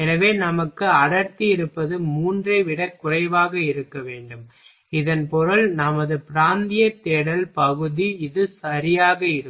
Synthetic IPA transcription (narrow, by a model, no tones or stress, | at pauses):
ɛnɐʋeːnɐmɐkːɯɐɽɐɾt̪ijɪɾɯpːɐðɯmuːndrɐɪʋɪɽɐkːʊrɐɪʋaːɣɐɪɾɯkːɐʋeːɳɖɯm | ɪðɐnpɔɾɯlnɐmɐðɯpɪɾaːnd̪ɪjɐt̪ːeːɽɐlpɐɣɯðiɪðɯsɐɾɪjaːɣɐɪɾɯ